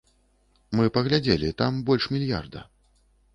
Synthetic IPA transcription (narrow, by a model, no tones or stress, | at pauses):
mɨpɐɣlʲad͡zʲɛlʲit̪ambɔlʲʂmʲilʲja̰rd̪ɐ̰